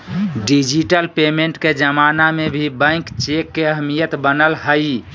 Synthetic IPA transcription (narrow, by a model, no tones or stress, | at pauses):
ɖid͡ʒiʈəlpemeɳʈked͡ʒəmanamebʱibə̃ɪ̃kt͡ʃekːeəɦmijət̪bənəlɦəj